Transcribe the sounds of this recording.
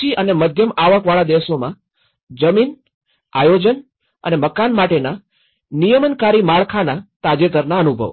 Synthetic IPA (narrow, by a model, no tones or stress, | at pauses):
iʔəneməd̪ʱjəmaʋəkʋaɭad̪eʋsomã̰ | d͡ʒəmin | a̰jod͡ʒən | ə̰neməkanmaʈena | nijəmənkaɾimaɭkʰanat̪ad͡ʒet̪əɾnaənubʱə̰ʋ